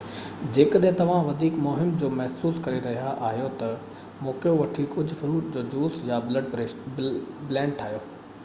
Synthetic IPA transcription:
d͡ʑeːkəɗɦt̪ɐʋ̤ãʋɐd̪ʱiːkmʊɦɪmd͡ʑoːmɛɦsuːskɐɾeɾɐɦijaʔaːɦijot̪ɐ | moːkjoʋɐʈʰikʊd͡ʑʱʊfʊɾuːʈd͡ʑoːd͡ʑuːsjablɐɖ | blɛ̃ːɳɖ̚ʈʰaːɦijoː

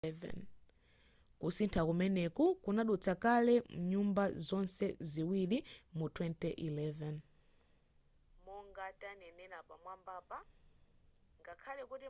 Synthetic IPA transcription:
vɛ̰n | kusintʰakumɛnɛkukunaɗut͡sʰakalɛm̩ɲumbazɔnsɛziwilimutʰwɛntɛʔilɛvɛn | muŋɡatʼanɛnɛɾapamwambaːpa | ŋɡakʰalɛkuti

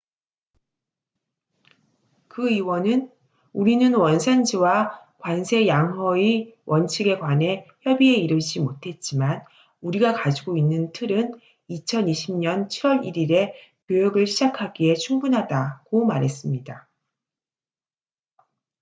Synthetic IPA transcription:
kɯiwʌnɯn | uɾinɯnwʌnsʰand͡ʑiwakwansʰe̞jaŋɦʌiwʌnt͡ɕʰiɡe̞ɡwane̞çjʌbie̞iɾɯd͡ʑimotʰe̞t̚t͡ɕ͈iman | uɾiɡakad͡ʑiɡoinːɯntʰɯɾɯn | it͡ɕʰʌniɕʰimɲʌnt͡ɕʰiɾwʌɾiɾiɾe̞kjojʌɡɯɭɕʰid͡ʑakʰaɡie̞t͡ɕʰuŋbunɦadaɡomaɾɦe̞s͈ɯmɲida

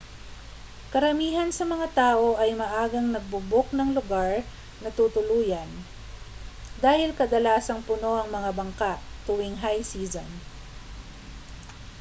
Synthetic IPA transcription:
kɐɾɐmiːɦɐnsɐmɐŋat̪aːʔo̞ʔɐjmɐʔaːɡɐŋnɐɡ̚bʊbok̚nɐŋlʊɡaɹ | nɐt̪ut̪ʊluːjɐn | d̪aːhɪlkɐd̪ɐlaːsɐŋpʊno̞ʔɐŋmɐŋabɐŋkaʔt̪ʊwɪŋɦajsiːzo̰n

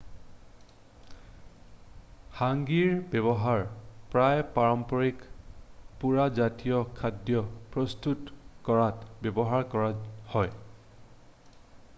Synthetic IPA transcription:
haŋɡiɹbɛbɔɦaɹpɹajpaɹɔmpɔɹik | puɹazatijɔkʰadjɔpɹɔstutkɔɹatbebɔɦaɹkɔɹahɔj

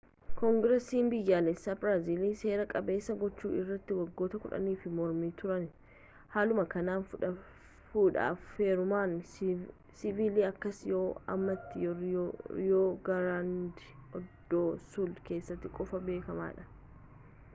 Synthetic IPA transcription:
kɔŋɡɾɛsiːmbɪjːaːlɛsːaːbɾaːziːliːse̞ːɾɐkʼɐbe̞ːsːɐɡɔt͡ʃːṵːɪ̰rːɐt̪ːɪwɐɡːo̞ːt̪ɐkʊᶑɐ̰niːfɪmɔɾmiːt̪ʊɾɐn | haːlʊmɐkɐnaːnfʊᶑɐ | fuːᶑa̰ːffe̞ːɾʊmaːn | sɪviːliːɐkːɐsjoːɐ̰mːɐt̪ːɪ | joːɡɐɾand̪ɪɔd̪̥ːoːsʊld̪ke̞ːsːɐt̪ːɪkʼɔfɐbe̞ːkɐma̰ːᶑɐ̥

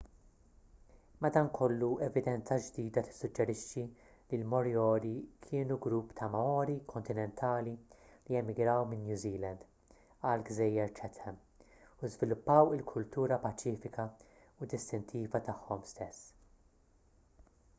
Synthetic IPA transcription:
mɐd̪ɐːnkʰɔlːuɛvɪd̪ɛnt͡sɐd͡ʒd̪iːd̪ɐt̪ɪ̥sːʊd͡ʒːɛɾɪʃːi | lilmɔɾjɔːɾikʰɪːnuɡɾupːt̪ʰɐmɐɔːɾikʰɔnt̪ɪnɛnt̪ʰɐːlilijɛmɪɡɾɐwmɪnːjuːziːlɐnd̪ | ɐːlɡzɛjːɛɾt͡ʃɛt̪ɛm | uzvɪlʊpːɐwɪlkʰʊlt̪uːɾɐpɐt͡ʃiːfɪkɐ | ʊd̪ɪst̪ɪnt̪ʰiːvɐt̪ɐħːɔmst̪ɛsː

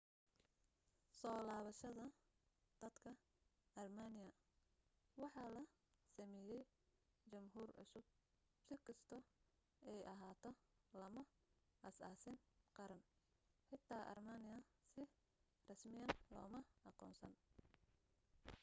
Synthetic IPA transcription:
sɔːlaːβɐʃɐðɐ | d̪̥ɐd̪̥kʰɐ | ʔɐrmanɪjɐ | wɑħɑːlɐ | sɐmɛːjɛj | t͡ʃɐmɦuːrʕʊsʊb̚ | sɪkʰɐst̪ʰɔ | ʔɛjʔɐɦaːt̪ʰɔ | lɐmɐ | ʔɐsaːsɪnqɑɾɐn | ħɪt̪ʰaːʔɐ̰rmaːnɪjɐ | sɪ | rɐsmɪjɐnlɔ̰ːmɐɑqɔ̰ːnsɐ̰n

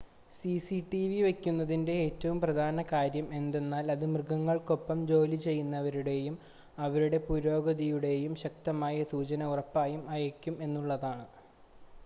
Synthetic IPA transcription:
sisiʈiʋiʋe̞kʲːunːɐðinde̞eːtːɐʋumprɐd̪ʱaːnɐkaːɾjɐme̞nd̪e̞nːaːlɐðɨmrɨɡɐŋːɐɭko̞pːɐmd͡ʑo̞ːlit͡ɕe̞jːunːɐʋɐɾuɽe̞jum | ɐʋɐɾuɽe̞puɾo̞ːɡɐðijuɽe̞jumɕɐk̚t̪ɐmaːjɐsuːt͡ɕɐnɐurɐpːaːjumɐjɐkʲːume̞nːuɭːɐðaːɳɨ

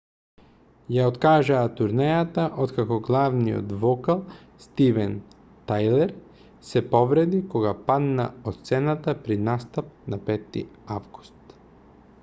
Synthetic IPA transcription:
jaot̪kaʒaːt̪uɾnɛjat̪aʔot̪kakɔɡlˠavnijo̰t̪vɔkalˠ | st̪ivɛn | t̪ajlɛɾ | sɛpɔvɾɛd̪ikɔɡapad̪na̰ot̪t̪sɛnat̪apɾinast̪ap̚napɛt̪ːḭavɡu̥st̪

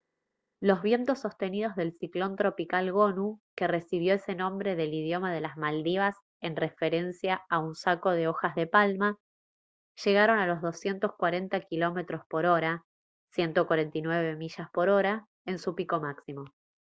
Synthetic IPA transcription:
lo̞zβ̞je̞nt̪o̞sːo̞st̪e̞nið̞o̞zðe̞lsiklo̞nt̪ɾo̞pikalɣo̞nuke̞re̞siβ̞jo̞ese̞nõ̞mbɾe̞ðe̞lið̞jo̞mað̞e̞lazmald̪iβas | e̞nre̞fe̞ɾe̞nsjaaunsako̞ð̞e̞o̞xazðe̞palma | ʒe̞ɣaɾo̞nalo̞zðo̞sje̞nt̪oskwaɾe̞nt̪akilo̞me̞t̪ɾo̞spo̞ɾo̞ɾa | sje̞nt̪o̞kwaɾe̞nt̪inwe̞βe̞miʃaspo̞ɾo̞ɾa | e̞nsupiko̞maksimo̞

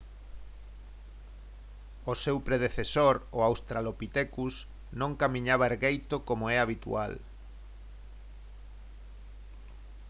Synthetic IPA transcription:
osewpɾeð̞eθesoɾoawst̪ɾalopit̪ekus | nõŋkamĩɲaβaeɾɣejt̪okomoɛaβit̪ṵa̰l

